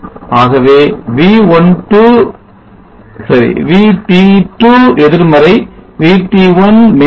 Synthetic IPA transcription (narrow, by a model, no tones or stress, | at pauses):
aːɣɐʋeːʋiːʋɔnʈu | sɐɾḭʋiːʈːiʈuːɛðɪɾmɐɾɐɪʋiːʈːiʋɐnme